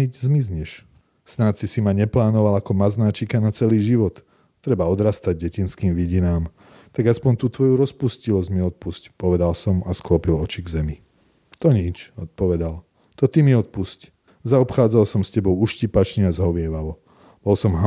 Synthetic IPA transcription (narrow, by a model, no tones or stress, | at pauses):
izmizɲɛʃ | snat̪sisimaɲɛplaːnɔʋalakɔmaznaːt͡ʃikanat͡sɛliːʒiʋɔt̪ː | ɾɛbaɔd̪ɾaːst̪aɟ̚ɟɛcinskiːmʋiɟinaːm | t̪aɡaspɔnt̪uːt̪ʋɔjuɾɔspuscilɔzɟmiɔt̪̚puscpɔʋɛd̪alsɔmasklɔpilɔt͡ʃiɡzɛmi | t̪ɔɲit͡ʃɔt̪̚pɔʋɛd̪al | t̪ɔt̪imiɔt̪̚pusc | zaɔpxaːd͡zalsɔmscɛbɔʊuʃcipat͡ʃniazɦɔʋɪɛʋaʋɔ | b̥ɔlsɔmɦa